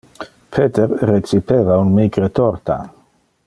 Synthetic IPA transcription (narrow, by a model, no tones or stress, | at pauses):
pʰet̪eɾreksipevaunmiɡɾet̪ɔrt̪a̰